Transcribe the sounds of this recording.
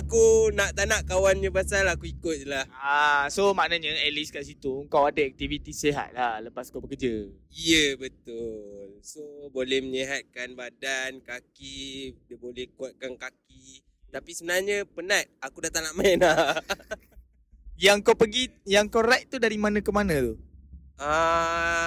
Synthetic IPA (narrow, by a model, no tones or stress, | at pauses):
akunaʔt̪anaʔkawanɲəbasalakuikʊt̪̚lahasomaʔnaɲəɛliskaʔsit̪uəŋkawadəɛk̚t̪ivit̪iseɦa̰t̪̚lahləpaskawbəkəd͡ʒə | ijəbət̪ʊlsobolɛhməɲiɦat̪̚kanbadankakidəbolɛhkuat̪̚kankaki | t̪apisəbənarɲəpənat̪̚akudat̪anaʔmaina | jaŋkawpəɡijaŋkoɾɛk̚t̪udaɾimanãkəmanat̪u | a